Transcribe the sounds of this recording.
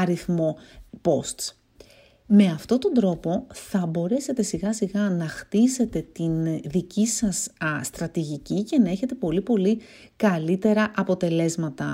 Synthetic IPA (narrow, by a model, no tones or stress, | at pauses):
ɐɾiθmo̞po̞st̪s | me̞ɐft̪o̞t̪o̞nd̪ɾo̞po̞θɐbo̞ɾe̞se̞t̪e̞siɣɐsiɣɐnɐxt̪ise̞t̪e̞t̪inðicisɐssːt̪ɾɐt̪iʝicice̞nɐe̞çe̞t̪e̞po̞lipo̞li | kɐlit̪e̞ɾɐʔɐpo̞t̪e̞le̞zmɐt̪ɐ